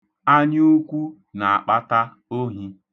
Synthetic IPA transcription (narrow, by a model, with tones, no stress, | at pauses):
a˦ɲ˦o˦kʷu˦ | na˨a˨k͡pa˦ta˦ | o˦ɦi˦